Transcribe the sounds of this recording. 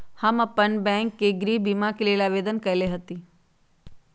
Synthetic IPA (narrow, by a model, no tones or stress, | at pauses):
həmɐpənbɛ̃ːŋkːeɡɾiːbimakileːlaʋeːd̪ənkɐjleɦət̪i